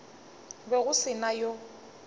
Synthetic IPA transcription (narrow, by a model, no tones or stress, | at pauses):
bɛɣʊsɪnajo